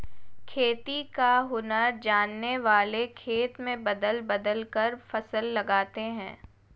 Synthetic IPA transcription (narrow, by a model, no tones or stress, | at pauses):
kʰeːt̪ikaɦʊnəɾd͡ʒaːnːeʋaːlekʰeːt̪mẽbɐd̪əlbɐd̪əlkəɾfɐsəlːɐɡaːt̪eɦɛ̃ː